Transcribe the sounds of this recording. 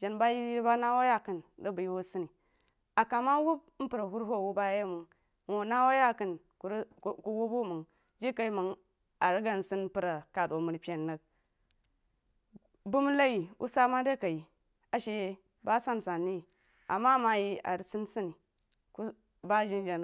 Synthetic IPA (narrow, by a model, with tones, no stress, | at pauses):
d͡ʒa˨nba˦ji˦i˦ba˦na˦wa˦ja˦kɨ˨ndə˦bu˨ji˦wu˦sɨ˦ni˨ | a˨ka˨ma˦wu˦b̩̚˦pɨ˨ɾa˨hu˦ɾɦo˦˨wu˦ba˦je˦mu˨ŋ | m˨na˦wa˦ja˦kɨ˨n | ku˨ɾku˦wu˦bu˦mu˨ŋ | d͡ʒi˦ka˨i˦mɨ˨ŋ | a˨ɾi˦ɡa˦n˨si˦n˦pɨ˨ɾa˨ka˨do˨mu˨ɾpʲe˨nːə˨k̚ | bu˦m˦la˦ji˨ʔṵ˦sa˦ma˦da˦ka˨ji˨ | a˨ʃe˨˦ | ba˦sa˦n˨sa˨nːi˦˨ | a̰˨mːa˦ma˨ji˦a̰˨ɾi˦si˦nsi˦ni˨ | ku˦ | ba˦ʒi˦n˦d͡ʒa˨n˦